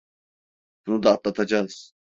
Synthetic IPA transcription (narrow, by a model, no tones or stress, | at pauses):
b̥unud̪aːp̪lˠat̪ʰad͡ʒaɯz̥